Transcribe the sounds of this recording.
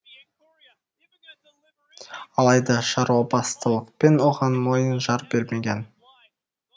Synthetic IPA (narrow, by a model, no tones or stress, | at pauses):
ɑlˠɑjd̪ɑʃɑɾuwɑbɑst̪əlˠəq̚pe̞nwo̞ʁɑnmo̞jənʒɑɾbe̞ɾme̞ɡʲe̞n